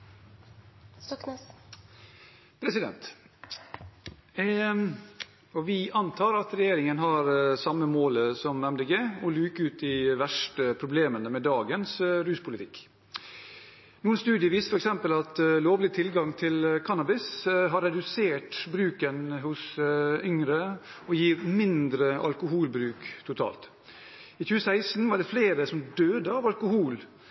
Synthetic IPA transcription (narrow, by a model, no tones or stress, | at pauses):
st̪ɔkn | pʰɾɛsɪd̪ɛ̰nt̪ | ɔʋɪʔɑnt̪ʰɑːɾɑt̪ɾɛjeːɾɪŋənɦɑɾsɑmːəmoːləsɔmnɛmld̪əɡəɔlyːkəʉːt̪̚d̪ɪʋæʂʈəpʰɾʊbleːmənəmɛd̪ɑːɡənsɾʉːspʰʊlɪt̪ʰɪkː | nuːənst̪ʉːd̪ɪəʋiːst̪ə̥fɔɾɛksɛmpəlɑt̪loːʋlɪt̪ʰɪlɡɑŋt̪ʰɪlkʰɑnɑbɪsɦɑɾɛd̪ʉseːʈbɾʉːkənɦʊsʏŋɾə | ɔjiːɾmɪnd̪ɾəʔɑ̰lkʊɦuːlbɾʉːkt̪ʰʊt̪ʰɑ̰ːlt̪ | iːçʉːəsæɪsn̩ʋɑɖɛfleːɾəsɔmd̪øːd̪əɑːʋɑlkʊhuːl